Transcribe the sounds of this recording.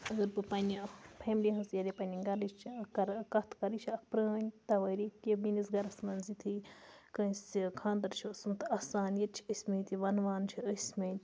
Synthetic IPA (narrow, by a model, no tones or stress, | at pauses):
ɐɡɐɾbɨpɐnʲipʰeːmliɦɐsjɐlʲepɐnʲiɡɐlit͡ʃʰkɐɾkɐt̪ʰkɐɾit͡ʃʰɐkpɾɐnʲt̪ɐʋɐɾit̪jɐbinisɡɐɾɐsmɐnzit̪ʰɨkɐ̃sikʰãːnd̪ɐɾt͡ʃʰosunt̪ɐsaːnjɐt͡ʃʰi̥əsʲmẽːt̪ʲiʋɐnʋaːnt͡ʃʰiəsʲmẽː